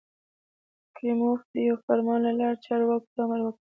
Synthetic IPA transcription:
kɾimofd̪əjawfaɾmɑnlalɑɾt͡ʃɑɾwɑkt̪ɑmaɾwək

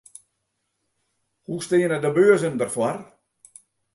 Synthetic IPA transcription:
hustɪːənədəbøəzəndərfwar

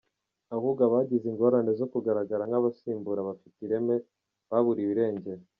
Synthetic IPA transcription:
ahuɡaβaːɟiziŋɡo̞ɾane̞zo̞kuɡaɾaɡaɾaŋaβasiːmbuɾaβafitiɾe̞me̞ | βaβuɾiβiɾe̞ːɲɟe̞ɾo

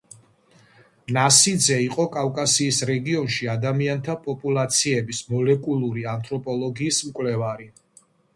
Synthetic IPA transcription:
nasid̪zɛiqʼɔkʼafkʼasiːsɾɛɡiɔnʃiad̪amiant̪ʰapʼɔpʼulˠat̪sʰiɛbismɔlɛkʼulˠuɾiant̪ʰʼɾɔpʼɔlˠɔɡiːsmkʼwlɛvaɾi

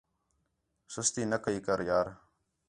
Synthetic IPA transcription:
sʊst̪iːnəkəikəɾjaːɾ

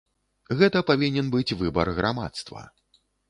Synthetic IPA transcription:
ɣɛt̪ɐpavʲinʲɛnbɨt͡sʲvɨbɐ̰rɣɾama̰t̪st̪vɐ̰

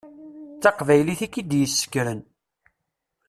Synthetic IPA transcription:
t͡sːɑqvæjliθikːid̪jəsːə̥kːɾən

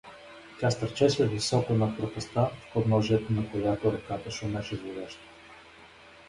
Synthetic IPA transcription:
tʲast̪ɐɾt͡ʃɛsvɛvisɔkənɐpɾot̪ɛst̪afpod̪nɔʒiɛt̪onɐkojat̪oɾɐkat̪əʃonɛʃɛzvoɾʲaʃt̪ə̥

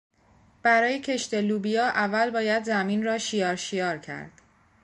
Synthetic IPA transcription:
b̥æɾɒːje̞cʰe̞ʃt̪e̞luːbijɒːʔævːælbɒːjæd̪zæmiːnrɒːʃijɒːɾʃijɒːɾcʰæ̰ɾd̪̥

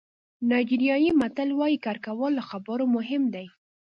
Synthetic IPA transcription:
nɑjd͡ʒiɾjɑjimat̪alwɑjikaɾkawəlːaxabəɾomʊɦɪmd̪aj

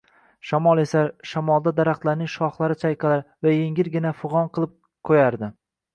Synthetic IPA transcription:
ʃamɒlˠe̞saʃamɒlˠd̪ad̪aɾaχt̪laɾnɪŋʃɒχlˠaɾɪt͡ʃʰajqʰɨlaɾvajeŋʲɪɾɡʲɪnafʊʁɒnqʰɨlˠɪp̚ | kʰojaɾd̪ɪ

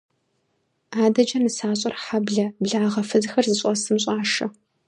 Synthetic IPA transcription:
aːdɐd͡ʒɐnɨsaːɕʼɐrħabɮɐbɮaːʁɐfɨzxɐrzɨɕʼɔsɨmɕʼaːʂɐ

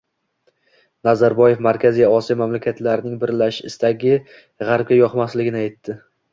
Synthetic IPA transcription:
nazaɾbɒje̞fmaɾkʲʰazijɒɒsijɒmamlakʲʰat̪laɾɪnɪŋbɪɾlaʃɪɪst̪aɡʲɪ | ʁaɾp̚ɡʲajɒqmaslɪɡʲɪnɪajt̪ːɪ

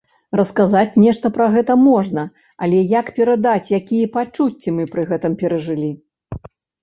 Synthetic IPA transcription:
rɐskazat͡sʲnʲɛʂt̪ɐpɾɐɣɛt̪ɐmɔʐnɐ | alʲɛjakpʲɛɾad̪at͡sʲjakʲijɛpat͡ʂut͡sʲːimɨpɾɨɣɛt̪ɨmpʲɛɾɐʐɨlʲi

